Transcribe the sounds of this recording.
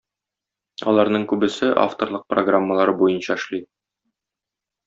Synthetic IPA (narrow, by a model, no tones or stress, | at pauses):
ɒ̰lˠɑɾnɤɴkʉbɘ̆sɘʔa̰ft̪orlˠɤq̚proɡramːəlˠɑɾɤbujɤnɕɑɘ̆ʃlˠi